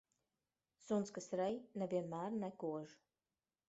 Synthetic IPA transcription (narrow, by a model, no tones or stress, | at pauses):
sunskasɾɛjnɛvʲiɛnmæːɾnɛkuɔʒ